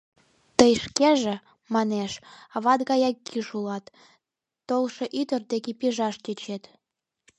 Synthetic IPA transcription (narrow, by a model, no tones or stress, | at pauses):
t̪əjʃkeʒĕ | mɑneʃɑβɑt̪ɣɑjɑkʲːiʃulɑt̪ː | olʃĕʔyt̪ərd̪ekipiʒɑʃt̪ʲet͡ɕet̪